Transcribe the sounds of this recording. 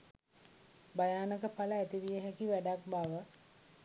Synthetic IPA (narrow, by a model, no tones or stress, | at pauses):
bajaːnəkəpaləæt̪iʋijəɦɛkiʋæɖak̚baʋə